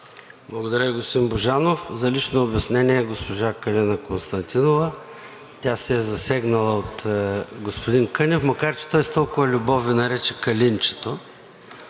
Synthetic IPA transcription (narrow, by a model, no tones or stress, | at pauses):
blˠɐɡod̪ɐɾʲəiɡost̪d̪imboʒanofzɐlit͡ʃnoːbʲɐsnɛniɛɡospoʒakɐlʲɛnɐkonst̪ɐnt̪inovə | t̪ʲasɛɛzɐsɛɡnɐlˠəot̪ɡospod̪inkɤnʲɛfmɐkaɾt͡ʃɛ̥t̪ɔjst̪ɔlˠkʊvɐlʲʊbɔvinɐɾɛt͡ʃɛkɐlʲint͡ʃɛ̥t̪o